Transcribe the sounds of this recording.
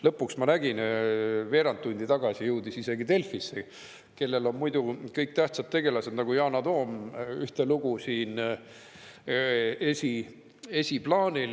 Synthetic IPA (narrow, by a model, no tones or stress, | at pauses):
lɤpːˑuksmɑnæɡ̥inve̞ːɾɑnt̪ːunʲd̪̥it̪ɑɡ̥ɑsʲijuwd̪isise̞ɡ̥it̪e̞lfisːe | ke̞lːe̞lo̞nmujd̪̥ukɤjk̚t̪æht̪sɑt̪̚t̪e̞ɡ̥e̞lɑse̞d̪nɑɡ̥ujɑːnɑd̪o̞ːmyht̪e̞luɡ̥usiːn | esʲi | e̞sʲiplɑːnʲil